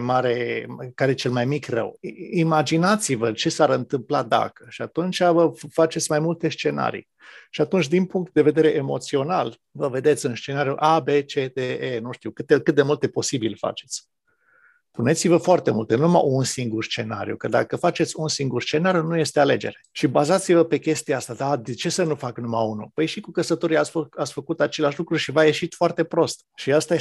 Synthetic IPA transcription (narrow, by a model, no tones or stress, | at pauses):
maɾe̞kaɾet͡ʃe̞lmajmikrə̰wimad͡ʒinat̪sivət͡ʃe̞saɾɨnt̪ɨmplad̪a̰kə̥ʃiat̪unt͡ʃʲavəfat͡ʃet̪sʲmajmult̪e̞st͡ʃe̞na̰ɾḭ | ʃiat̪unt͡ʃʲd̪inpuŋkt̪̚d̪e̞ve̞d̪e̞ɾe̞ʔemo̞̰t̪sio̞nal | vəve̞d̪e̞t̪sʲɨnst͡ʃe̞naɾijuʔabe̞t͡ʃet̪eenuʃt̪iuwkɨt̪ekɨt̪̚d̪e̞mult̪e̞po̞sibilfa̰t͡ʃe̞̥t̪sʲ | pune̞t̪sivəfoart̪e̞mult̪enunuma̰ʔunsiŋɡurst͡ʃe̞na̰ɾḭṵkəd̪a̰kəfat͡ʃe̞t̪sʲunsiŋɡurst͡ʃe̞naɾjunuje̞st̪e̞ale̞d͡ʒe̞̰ɾe̞ʃibazat̪sivəpe̞kʲe̞st̪iaast̪ad̪ad̪et͡ʃe̞sənufaknumaunṵpəjʃikukəsət̪oɾiasat̪sʲfəkut̪at͡ʃeleaʃlukɾuʃivaje̞ʃit̪foart̪e̞pɾo̞st̪ʃiast̪a